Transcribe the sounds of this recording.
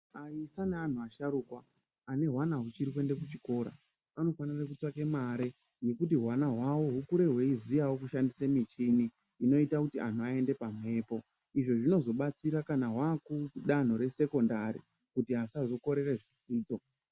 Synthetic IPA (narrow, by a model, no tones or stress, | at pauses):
aisanean̤uaʃaɾukwaː | ne̞ɦwanaɦut͡ʃiɾik̬we̞nde̞k̬ut͡ʃiko̞ːɾa̰ | ano̞fanarekut͡swakemaɾe̞ | je̞kutiɦwanaɦwawo̞ɦukuɾe̞ɦwe̞izijawo̞kuʃandisemit͡ʃiniː | no̞itakutiʔa̰n̤uae̞nde̞pam̤e̞ːpo̞ | iʐo̞ʐino̞zo̞ɓat͡siɾakanaɦwakuɗan̤o̞ɾe̞se̞ko̞ndaɾḭ | kutiɦasazo̞ko̞ɾe̞re̞ʐit͡siːd͡zo̞